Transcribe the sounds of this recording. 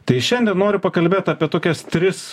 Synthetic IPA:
t̪ɐɪʃʲɛnʲd̪ʲɛnnoːɾʲʊpɐkɐlʲbʲeːt̪ɑːpʲiɛt̪oːkʲɛst̪ʲɾʲɪs

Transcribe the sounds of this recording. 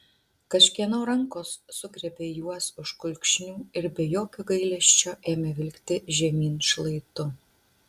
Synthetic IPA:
kɐʃʲkʲiɛnoːɾɐŋkoːsːʊɡɾʲɛbʲeːjuɔsʊʃkʊlʲkʲʃʲnʲuːɪɾbʲɛjoːkʲoɡɐɪlʲɛʃʲt͡ʃʲoːʔeːmʲɛʋʲɪlʲkt̪ʲɪʒʲɛmʲiːnʃlˠɐɪt̪ʊ

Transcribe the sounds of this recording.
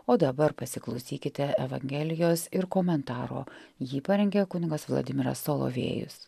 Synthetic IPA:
oːd̪ɐbɐɾpɐsʲɪklˠɒʊsʲiːkʲɪt̪ʲɛɛʋɐ̰ŋʲɡʲɛlʲɪjoːsɪɾkoːmʲɛnt̪ɑːɾo̰ːjiːpɐɾʲɛŋʲɡʲeːkʊnʲɪɡɐsʋlˠɐ̰d̪ʲɪmʲɪɾɐ̰sːolˠo̰ːʋʲḛːjʊ̰s

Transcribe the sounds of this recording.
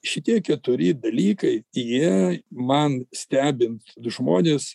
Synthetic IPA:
ʃʲɪt̪ʲiɛkʲɛt̪ʊɾʲɪd̪ɐlʲiːkɐɪjiɛmɐnsʲt̪ʲæːbʲɪnt̪d̪ʊʒmoːnʲeːs

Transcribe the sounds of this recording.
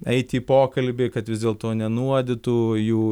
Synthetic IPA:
ɛɪt̪ʲiːpoːkɐlʲbʲɪkɐt̪ʋʲɪzd̪ʲeːlˠt̪oːnʲɛnuɔd̪ʲɪt̪ujuː

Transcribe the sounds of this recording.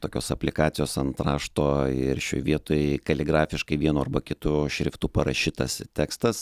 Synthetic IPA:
t̪oːkʲoːsɐpʲlʲɪkɑːt̪sʲɪjoːsɐnt̪ɾɑːʃt̪oːɪɾʃʲo̰ːjʋʲiɛt̪oːjkɐlʲɪɡɾɑːfʲɪʃkɐɪʋʲiɛnuːɐɾbɐkʲɪt̪ʊʃʲɾʲɪft̪uːpɐɾɐʃʲiːt̪ɐst̪ʲæːkst̪ɐs

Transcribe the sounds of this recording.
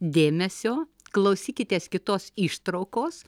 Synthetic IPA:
d̪ʲeːmʲɛsʲoː | klˠɐʊsʲiːkʲɪt̪ʲeːskʲɪt̪oːsiːʃt̪ɾɐʊkoːs

